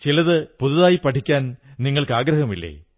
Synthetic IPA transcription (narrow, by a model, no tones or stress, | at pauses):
t͡ɕilɐðɨpuðuðaːjipːɐʈʰikʲːaːnniŋːɐɭkɨaːɡɾɐhɐmilːḛː